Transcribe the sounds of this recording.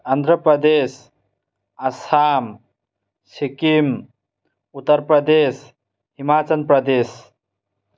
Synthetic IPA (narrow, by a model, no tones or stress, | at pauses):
and̪ʱɾəpɾəd̪es | asam | sikim | ut̪ːəɾpɾəd̪es | ɦimat͡ʃənpɾəd̪es